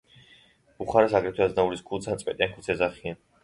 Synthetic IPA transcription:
uχaɾɛsaɡɾɛt̪ʰwɛaznauɾisɡʰulˠt̪sʰant̪sʼpʼɛ̰t̪ʼijankʰusʰɛzaχian

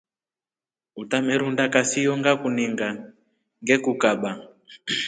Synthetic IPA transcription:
utamɛɾundakasijɔŋɡakuniŋɡa | ŋɡɛkukaɓa

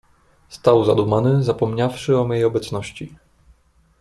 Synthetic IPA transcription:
st̪awzad̪umanɘzapɔmɲafʂɘɔmjejɔbɛt̪snɔɕt͡ɕi

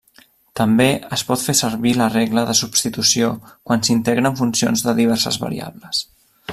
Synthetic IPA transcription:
t̪əmbeəspɔt̪fesəɾβiləreɣləðəsupst̪it̪usiokwansint̪ɛɣɾəːɱfunsio̰nzðəðiβ̞ɛɾsə̰zβə̰ɾḭa̰βləs

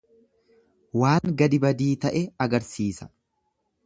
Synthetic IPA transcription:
waːŋɡɐd̪ɪbɐd̪iːt̪ɐʔɛɐɡɐɾsiːsɐ̥

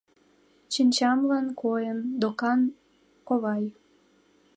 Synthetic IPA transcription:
t͡ɕənʲt͡ɕɑmlɑnkojənd̪okɑn | koβɑj

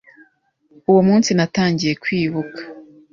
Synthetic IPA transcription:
uwomuːnsinataːɲɟije̞kwiːβukḁ

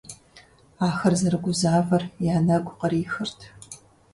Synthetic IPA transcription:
aːxɐrzɐɾɨɡʷʊzaːvɐrjaːnɐɡʷʼʊqɐɾiːxɨrtʰ

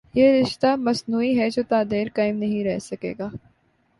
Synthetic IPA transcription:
jeːɾɪʃt̪amɐsnuːiɦɛd͡ʒoːt̪aːd̪eːɾkaːɪmnɐɦĩɾɛɦsɐkḛːɡaː

